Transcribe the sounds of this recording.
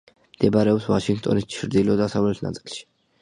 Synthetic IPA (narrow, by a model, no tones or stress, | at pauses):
md̪̥ɛbaɾɛɔpsvaʃiŋɡt̪ʼɔ̰nist͡ʃʰɾd̪ilɔd̪asavlɛt̪ʰna̰t̪sʼilˠʃi̥